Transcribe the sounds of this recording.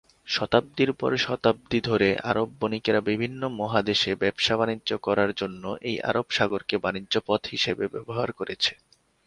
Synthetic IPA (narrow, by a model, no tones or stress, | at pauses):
ʃɔt̪ab̚d̪iɾpɔ̰ɾʃɔt̪ab̚d̪id̪ʱoɾeʔa̰ɾobːonikeɾabibʱinːomɔɦad̪eʃebɛbʃaβanid͡ʑʑokɔɾaɾd͡ʑonːoʔeja̰ɾobʃaɡoɾkebanid͡ʑʑopɔt̪hiʃebebɛ̰boɦaɾkoɾet͡ɕʰe̥